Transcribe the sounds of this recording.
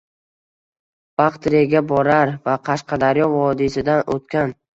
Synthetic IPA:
b̥ɑqt̪ɾijaɡʲabɒɾaɾvaqʰɑʃqɑd̪aɾjɒvɒd̪isɪd̪ano̰t̪kʲan

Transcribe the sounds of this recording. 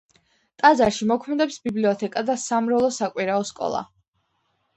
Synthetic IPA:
t̪ʼazaɾʃimɔkʰmɛd̪ɛpsbibliɔt̪ʰɛkʼad̪asamɾɛlˠɔsakʼwiɾaɔskʼɔ̰lˠa̰

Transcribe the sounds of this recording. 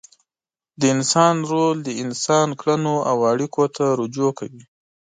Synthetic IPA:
d̪əɪnsɑnɾold̪əɪnsɑnkɽanoawaɽikot̪ʰaɾud͡ʒokawi

